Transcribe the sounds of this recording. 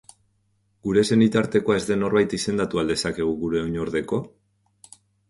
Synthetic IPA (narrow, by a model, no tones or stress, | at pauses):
ɡuɾe̞se̞nit̪aɾt̪e̞ko̞ae̞zd̪e̞no̞ɾβajt̪ise̞nd̪at̪uald̪e̞sake̞ɣ̞uɣuɾe̞oɲo̞ɾðe̞ko̞